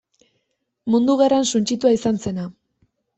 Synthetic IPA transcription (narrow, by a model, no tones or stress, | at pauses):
mund̪uɣ̞eransunt͡ʃit̪uaisanse̞na